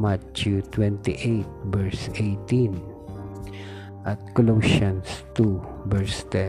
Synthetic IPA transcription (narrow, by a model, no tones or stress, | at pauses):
mat͡ʃut̪wɛ̃nt̪iʔejt̪̚bɛɹsejt̪ĩn | ʔat̪̚kɔlowʃɔ̃nst̪u | vɛɹst̪ɛ̃